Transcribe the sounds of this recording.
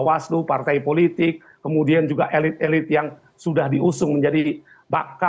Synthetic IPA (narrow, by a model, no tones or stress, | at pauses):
wasdupart̪ajpolit̪ɪkːəmudiand͡ʒuɡaʔelɪt̪̚elɪt̪̚jaŋ | sudahdiʔusʊŋməɲd͡ʒadi | ba̰ka